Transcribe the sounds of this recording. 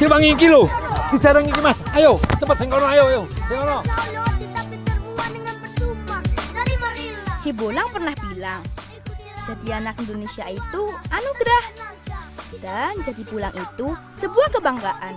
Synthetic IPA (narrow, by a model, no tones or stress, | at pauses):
sibaŋikilodisaɾəŋikimasajowt͡ʃəmpat̪̚səŋkɔnɔajowajoseŋkɔnɔit̪apiərbuadəŋanpərtuba | sibolaŋpərnahbilaŋ | d͡ʒadianak̚indonesiait̪uanuɡɾah | d̥and͡ʒadipulaŋʔit̪u | səbuahkəbaŋɡaʔan